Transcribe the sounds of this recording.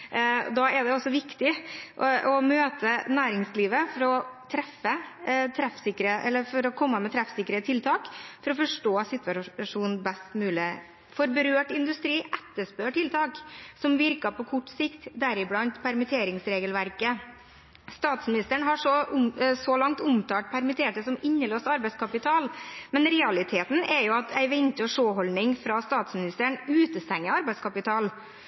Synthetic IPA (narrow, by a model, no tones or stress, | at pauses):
d̪ɑːɛd̪ɛɔsːɔʋɪkt̪ɪʔɔmøːt̪ənæːɾɪŋsliːʋəfɔɾɔt̪ʰɾɛfːət̪ʰɾɛfsɪkːɾəʔɛlːəɾfɔɾɔkʰɔmːəmɛt̪ʰɾæfsɪkːəɾət̪ʰɪlt̪ʰɑːkfɔɾɔfɔʂʈoːsɪt̪ʋɑʂuːnbɛst̪mʉːlɪ | fɔɾbəɾøːʈɪnd̪ʉst̪ɾiːʔɛt̪ːəʂpøːʈʰɪlt̪ʰɑːksɔmʋɪɾkɑpɔkʰɔʈːsɪkt̪d̪æɾɪblɑnt̪pʰæɾmɪt̪ʰeːɾɪŋsɾeːɡəlʋæɾkə | st̪ɑːt̪smɪnɪst̪əɳɦɑʂɔʊsɔlɑŋt̪ʊmt̪ʰɑːʈ̚pʰæɾmɪt̪ʰeːʈəsɔmɪɲːəloːst̪ɑɾbæɪskʰɑpɪt̪ʰɑːlmɛnɾɛɑlɪt̪ʰeːt̪n̩ɛɾjʊɑt̪ʰæɪʋɛɲt̪əɔʂoːɦɔlnɪŋfɾɑst̪ɑːt̪smɪnɪst̪əɳʉːt̪əst̪ɛŋːəɑɾbæɪskʰɑpɪt̪ʰɑːl